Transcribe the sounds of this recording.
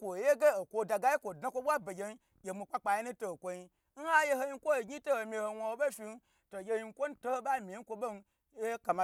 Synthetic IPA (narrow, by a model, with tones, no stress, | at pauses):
kʷo˨je˦ɡe˦o˨kʷo˧da˨ɡa˦je˦kʷo˨dna˦kʷo˦ɓʷa˦be˨ɡʲe˧n˦ | jʲe˨mu˧k͡pa˦k͡pa˨je˦nũ˦to˨kʷo˧ɲi˧ | n̩˦ha˦je˦ho˧ji˧˦kʷo˦˨ɡʲi˦to˦ho˨mʲi˧ho˧wʷo˧ho˧ɓe˦fʲi˧n˦ | to˨jʲe˧ji˧ŋ˦kʷo˦n̩˦to˦ho˦ɓa˦˨mʲi˨˦kʷo˧bo˦n˧ | je˦ka˨ma˨